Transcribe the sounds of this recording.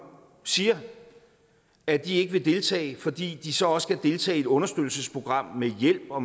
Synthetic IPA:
siːɐ | æd̥ie̝ɡ̥əʋe̝d̥e̝lt͡sʰɛ̰ːɪfɒ̽d̥ḭːd̥isɒ̽ɒ̽sə̥kʰæd̥e̝lt͡sʰɛ̰ːe̝d̥ɔ̽nɐsd̥ød̥l̩səspʰʁo̝ɡ̥ʁɑ̈m̰mejel̰b̥ɒ̽

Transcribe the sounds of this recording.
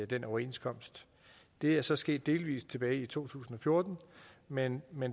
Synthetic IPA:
æd̥enʔɒʊɐe̝̰nskʰɒ̽m̰sd̥ | d̥e̝æɐsɒ̽sɡ̥e̝̰ːd̥̚ːe̝ːlʋḭːst͡sʰe̝b̥ɛːɪit͡sʰo̝̰ːt͡sʰṵːsn̩ɒ̽fjo̝ɐd̥n̩menmen

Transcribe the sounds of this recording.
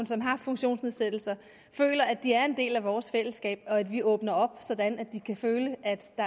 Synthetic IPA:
nsɒ̽mɦɑ̈fɔ̽ŋɕo̝̰ːnsne̝ðˠsed̥l̩sɐ | fø̰ːlɐæd̥iæɐe̝nd̥e̝̰ːlæʋɒːsfel̰əsɡ̥ɛ̰ːb̥ɒ̽æd̥ʋiʔɔ̽ːb̥nɐɒ̽b̥sɒ̽d̥ænæd̥ikʰæføːləʔæd̥d̥ɑ̈

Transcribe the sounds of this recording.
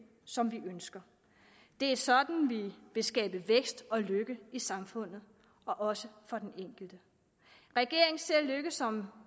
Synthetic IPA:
sɒ̽mʋiʔønsɡ̥ɐ | d̥e̝æɐsɒ̽d̥n̩ʋiʋe̝sɡ̥ɛ̰ːb̥əʋeɡ̥sd̥ɒ̽løɡ̥əisɑ̈mfɔ̽n̰ð̞̩ˠ | ɒ̽ʔɒ̽səfɒ̽d̥eneŋ̰ɡ̥l̩d̥ə | ʁɛɡ̥e̝ɐ̰e̝ŋse̝ɐ̰løɡ̥əsɒ̽m

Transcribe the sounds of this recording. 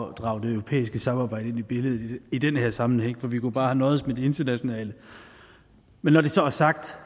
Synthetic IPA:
d̥ʁɑ̈ːʊd̥e̝øʊʁo̝pʰḛːisɡ̥əsɑ̈mɑ̈ːbɑ̈ɪ̰dəenib̥e̝ləð̞̩ˠiid̥enheɐsɑ̈mn̩heŋ̰fɒ̽ʋikʰub̥ɑ̈ːhænɒ̽ːð̩ˠsmed̥ee̝nd̥ɐnæɕo̝nɛ̰ːlə | menːɒd̥e̝sɒ̽æɐsɑ̈ɡ̥̚d̥

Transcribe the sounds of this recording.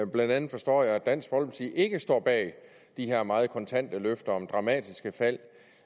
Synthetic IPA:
b̥lænd̥ænð̩ˠfɒ̽sd̥ɒ̰ːjɑ̈ɪæ̥æn̰sɡ̥̚b̥ɒ̽lb̥t͡sʰiʔe̝ɡ̥əsd̥ɒ̰ːb̥ɛ̰ː | d̥ihe̝ɐ̰mɑ̈ːð̩ˠkʰɒ̽nt͡sʰæn̰d̥əløfd̥ɐɒ̽md̥ʁɑ̈mɛ̰ːd̥isɡ̥əfæl̰

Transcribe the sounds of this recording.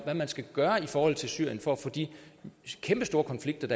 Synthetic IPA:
ʋæmænsɡ̥æɡ̥ɶːɐifɒːhɒ̽l̰ˠt͡sʰe̝lsyɐ̰jənfɒ̽foːd̥ḭ | kʰemb̥əsd̥o̝ːɐkʰɒ̽nfliɡ̥̚d̥ɐd̥ɑ

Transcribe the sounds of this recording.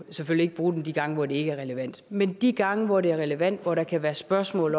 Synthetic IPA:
sefølie̝ɡ̥əb̥ʁuːd̥emd̥iɡ̥ɑ̈ŋəʋɒd̥e̝e̝ɡ̥əæɐʁɛləʋæn̰d̥mend̥iɡ̥ɑ̈ŋəʋɒd̥e̝æɐʁɛləʋæn̰d̥ʋɒɾ̥ɑ̈kʰæʋæːɐsb̥ɶɐsmɔ̰̽ːl

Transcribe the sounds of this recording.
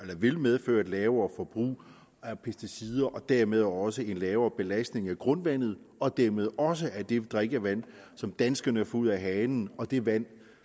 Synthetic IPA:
elɐʋe̝lmeðˠføːɐd̥lɛːʊɐfɒ̽b̥ʁṵː | æɐpʰesd̥isiːð̞ˠɐʔɒ̽d̥æɐmeð̞ˠɒ̽səe̝nlɛːʊɐb̥e̝læsd̥ne̝ŋæɡ̥ʁɔ̽nʋæn̰ð̞̩ˠɒ̽d̥æɐmeðˠɒ̽s̬əæɐd̥e̝d̥ʁɛɡ̥æʋæn̰ | sɒ̽md̥ænsɡ̥ɐnəfuð̰ˠæɦɛːnn̩ɒ̽d̥e̝ʋæn̰

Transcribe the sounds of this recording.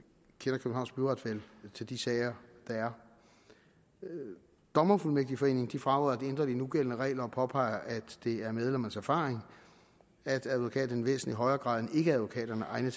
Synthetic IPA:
kʰenɐkʰøb̥̩̚hɑ̈ʊnɡ̥b̥yʁɑ̈d̥ʋelt͡sʰe̝ld̥isɛːɪɐd̥ɑ̈æɐ | d̥ɒ̽mɐfulmeɡ̥̚d̥ifɒ̽e̝̰ːne̝ŋd̥ifʁɑ̈ɔðˠɐd̥iend̥ʁɐd̥inuɡ̥el̰ənəʁɛ̰ːlɐɒ̽pʰɒ̽pʰɑ̈ɪɐʔæd̥ːe̝æɐmeð̞ˠlemɐnəsæɐfɑ̈ːʁeŋ | æd̥æðˠʋo̝kʰɛ̰ːd̥n̩ʋḛːsn̩liɦɒ̽ɪɐːɡ̥ʁɑ̰̈ːðˠnəe̝ɡ̥əææðˠʋo̝kʰɛ̰ːd̥ɐnəʔɑ̈ɪnət͡sʰ

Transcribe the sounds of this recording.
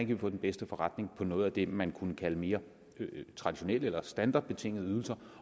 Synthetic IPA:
ænkʰəʋifɔ̰ːd̥enb̥esd̥əfɒ̽ʁäd̥ne̝ŋpʰɒ̽nɔ̽ːð̞̩ˠæd̥e̝mænkʰunəkʰæləme̝ːɐ | t͡sʰʁɑ̈d̥iɕo̝nel̰elɐsd̥ænd̥ɑ̈ːd̥̚b̥e̝t͡sʰe̝ŋ̰ð̩ˠyð̞ˠl̩sɐ

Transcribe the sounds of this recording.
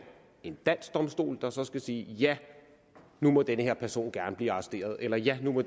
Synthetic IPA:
e̝nd̥æn̰sd̥ɒ̽msd̥o̝̰ːld̥ɑ̈sɒ̽sɡ̥æsiːjæ | numɒ̽d̥enəhe̝ɐ̰pʰæɐso̝̰ːnɡ̥æɐnəb̥liːɑ̈sd̥e̝̰ːɐð̞ˠelɐjænumɒ̽

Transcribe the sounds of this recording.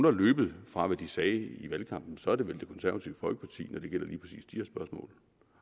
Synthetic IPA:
unhɑlø̰ːb̥ð̞̩ˠfʁɑ̈ʋæd̥isɛːiʋælkʰɑ̈m̰b̥n̩sɒ̽æɐd̥e̝ʋeld̥e̝kʰɒ̽nsæɐæt͡sʰiʊəfɒ̽lɡ̥ə̥pʰɑt͡sʰḭːnɒd̥e̝ɡ̥el̰ɐliːpʰʁɐsḭːsd̥iæɐsb̥ɶɐsmɔ̰̽ːl

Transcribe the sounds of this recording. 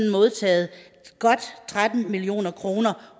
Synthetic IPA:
nn̩mo̝ð̞ˠt͡sʰɛ̰ːð̞̩ˠ | ɡ̥ɒ̽d̥t͡sʰʁad̥n̩milio̝̰ːnɐkʰʁo̝ːnɐ

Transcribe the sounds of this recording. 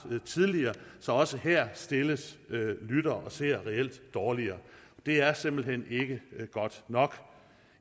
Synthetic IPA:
t͡sʰið̞ˠliɐːsɒ̽ɒ̽səhæɐ̰sd̥e̝ləslyɾ̥ɐːʔɒ̽se̝ɐ̰ʁɛel̰d̥ːɒːliɐːɒd̥e̝æɐse̝m̰b̥l̩ɦen̰e̝ɡ̥əɡ̥ɒ̽d̥nɒ̽ɡ̥

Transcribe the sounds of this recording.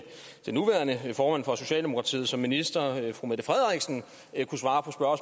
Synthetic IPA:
d̥enuʋæːɐnəfɒːmæn̰fʁɒ̽so̝ɕɛ̰ːlde̝mo̝kʰʁɑ̈t͡sʰḭːð̩ˠsɒ̽mːinisd̥ɐfʁumed̥əfʁɛðˠʁɛɡ̥sn̩ | kʰusʋɑ̈ːpʰɒ̽sb̥ɶɐs

